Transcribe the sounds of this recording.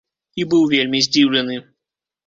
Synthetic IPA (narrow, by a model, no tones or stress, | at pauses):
ibɨwˠvʲelʲmʲizʲdʲiwlʲɪnɨ